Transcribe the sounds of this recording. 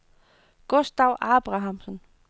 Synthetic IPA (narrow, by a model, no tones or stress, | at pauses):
ɡ̥ɔsd̥ɑʊ̰ʔɑb̥ʁɑ̈ɦɑmsən